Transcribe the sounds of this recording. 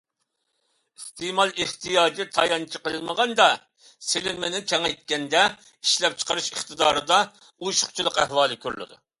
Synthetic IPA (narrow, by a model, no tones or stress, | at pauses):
ist̪emɑlˠeht̪ʰijɑːd͡ʒit̪ʰɑjɑnt͡ʃʰiqəlˠɨlməʁɑnd̪ɑ | selɪnmɪnɪkʲʰɛŋɛjt̪̚kʲɛnd̪ɛ | iʃlɛp̚t͡ʃʰə̥qəɾɨʃəχt̪ɨd̪ɑːɾɨd̪ɑ | uʃu̥χt͡ʃʰilˠəqæhwɑːlˠɨkʲʰøɾlɨ̰ʁɨ̰